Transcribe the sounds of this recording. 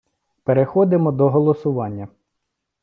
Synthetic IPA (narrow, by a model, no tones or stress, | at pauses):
peɾexɔd̪ɪmɔd̪ɔɦɔlˠɔsʊʋɑnʲːɐ